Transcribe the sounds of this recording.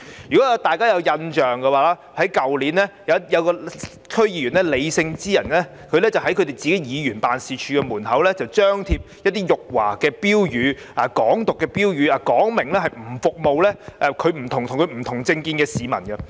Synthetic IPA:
jy˨kɔ˨˦˥t̪aː˨jkaː˥jɐ˨˧wjɐ˧nt͡ʃœː˨ŋkɐ˧waː˨laː˦˥ | hɐ˨˥jkɐ˨wliː˨˥nlɛː˥jɐ˨˧˥jɐ˨˧wkɔː˧ | kʰɵ˥ɥjiː˧ɥyː˨˩nlɛ˥le˨˧jsɪ˧ŋt͡siː˥jɐ˨˩nlɛː˥ | kʰɵ˨˧ɥlɛː˥t͡sɐ˨wɦɐ˨˥jkʰɵ˨˧t̪e˨˩jt͡siː˨ke˨˥jiː˨˧jyː˨˩npaː˨nsiː˨t͡ʃʰyː˧˥kɛ˧muː˨˩nɦɐ˨˥wlɛː˥t͡sɐ˨wt͡ʃœː˥ŋt̪ʰiː˧p̚jɐt̪ːiː˥jʊ˨k̚wa̰ː˨˩kɛː˧piː˥wjyː˨˧ | aː˨kɔː˨˥ŋt̪ʊ˨kːɛː˧piː˥wjyː˨˧aː˨kɔː˨˥ŋmɪ˨˩ŋlɛː˥hɐ˨jm̩˨˩fʊ˨k̚mo˨wlɛː˥ʔɛ˧kʰɵ˨˧ɥm̩˨˩t̪ʰʊ˨˩ŋt̪ʰʊ˨˩ŋkʰɵ˨˧ɥm̩˨˩t̪ʰʊ˨˩ŋt͡sɪ˧ŋkiː˧nkɛː˧siː˨˧mɐ̰˨˩nɡɐ˧

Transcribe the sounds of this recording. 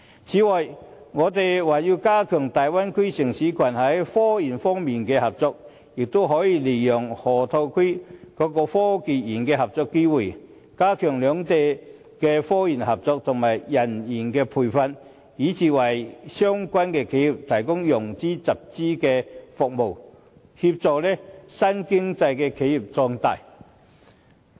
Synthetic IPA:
t͡sʰiː˨˧˥wɐ˨˩j | ŋɔː˨˧t̪e˨jwaː˨˩jiː˧wkaː˥kʰœː˨˩ŋt̪aː˨jwa˥nkʰe˥sɪ˨˩ŋsiː˨˥kʰɐ˨˩nhɐ˨˥jfɔː˥jiː˨˩nfɔː˥ŋmiː˨nkɛː˧hɐ˨p̚t͡sɔː˨˧k̚ | jɪ˨k̚t̪o˥wɦɔː˨˥jiː˧le˨˩jjʊ˨˩ŋhɔː˨˩t̪ʰo˧wkʰe˥jkɔː˨˧˥kɔː˧fɔː˥kiː˨t̚jiː˨˩nkɛː˧hɐ˨p̚t͡sɔː˨˧kːe˥wuː˨˩j | kaː˥kʰœː˨˩ŋlœː˨˧ŋt̪e˨j | kɛ˧fɔː˥jiː˨˩nhɐ˨p̚t͡sɔː˨˧k̚t̪ʰʊ˨ŋmaː˨jːɐ˨˩njiː˨˩nkɛː˧pʰuː˨jfɐ˧n | jiː˨˥t͡siː˨wɐ˨˩jsœː˥ŋkʷɐ˥nkɛː˧kʰe˨˥ji˨p̚t̪ʰɐ˨˩jkʊ˥ŋjʊ˨˩ŋt͡siː˥t͡sɐ˨p̚t͡siː˥kɛː˧fʊ˨k̚mo˨˩w | hi˧p̚t͡sɔː˨k̚lɛː˥sɐ˥nkɪ˥ŋt͡sɐ˧jkɛː˧kʰe˨˥ji˨˩p̚t͡sɔː˧ŋt̪a̰ː˨j

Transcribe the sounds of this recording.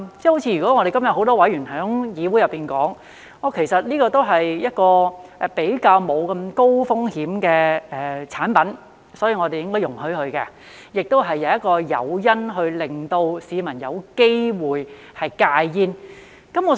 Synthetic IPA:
t͡sɛː˥ho˨˥wt͡sʰiː˧jɥy˨˩kɔ˨˦˥ŋːɔ˧ɾe˨kɐ˥mjɐ˨t̚ho˨˥wt̪ɔː˥wɐ˨˥jyː˨˩nɦœː˨˥ŋjiː˨˧wu˨˥jɐ˨pːiː˨nkɔː˨˥ŋ | ŋɔː˨˧kʰe˨˩jsɐ˨t̚liː˥kɔː˧t̪o˥wɦɐ˨jjɐ˥t̚kɔː˧ɛ˨pe˨˥jkaː˧wmo˨˧wkɐ˧mko˥wfʊ˥ŋhiː˨˥mkɛː˧ɛ˨t͡sʰaː˨˥npɐ˨˥n | sɔː˨˥jiː˧ŋɔː˨˧te˨jɪ˥ŋkɔ˥jʊ˨˩ŋhɵ˨˥ɥhɵ˨˧ɥkɛ̰˧ | jɪ˨k̚t̪o˥wɦɐ˨jːɐ˨˧wjɐ˥t̚kɔː˧jɐ̰˨˧wjɐ˥nɦɵ˧ɥlɪ˨ŋt̪o˧wsiː˨˧mɐ˨˩njɐ̰˨˧wke˥jwuː˨j | hɐ˨jkaː˧jjiː˥n | kɐ˨˥mŋɔː˨˧

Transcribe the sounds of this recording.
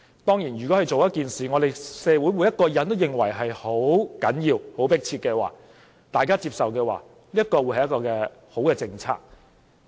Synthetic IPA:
t̪ɔː˥ŋjiː˨˩nɥy˨˩kɔː˨˥hɐ˨˧jt͡ʃo˨wjɐ˥t̚kiː˨nsiː˨˩ŋɔː˨˧t̪e˨jsɛː˧wuː˨˥jwu˨˥jɐ˥t̚kɔː˧jɐ˨˥nt̪o˥wjɪ˨ŋwɐ̰˨˩jɦɐ˨jho˨˥wkɐ˨˥njiː˧who˨˥wpɪ˥k̚t͡sʰiː˧t̚kɛː˧wa̰ː˨˩ | t̪aː˨jkaː˥t͡siː˧p̚sɐ˨wkɛː˧wa̰ː˨ | liː˥jɐ˥t̚kɔː˧wu˨˧˥jhɐ˨jɐ˥tkɔː˧kɛː˧ | ho˨˥wkɛː˧t͡sɪ˧ŋt͡sʰa̰ː˧˥k̚

